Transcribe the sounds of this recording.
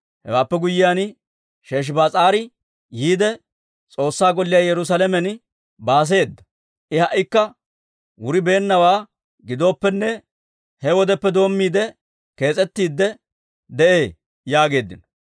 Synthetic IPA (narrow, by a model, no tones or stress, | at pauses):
hɛ̰waːpːɛɡʊjːɪjaːn | ʃe̞ːʃ̬baːt͡sʼaːɾɪ | jiːd̪ɛ | t͡sʼo̞ːsːaːɡɔlːɪjaːjɛɾʊs̬ɐlɛmɛn | baːs̬e̞ːd̪ːɐ̥ | ʔɪhɐʔɪkːɐ | wʊɾɪbe̞ːnːɐwaː | ɡɪd̪o̞ːpːɛnːɛ | hɛwɔd̪ɛpːɛd̪o̞ːmːiːd̪ɛ | ke̞ːt͡sʼɛt̪ːiːd̪ːɛ | d̪ɛʔe̞ː | jaːɡe̞ːd̪ːɪnɔ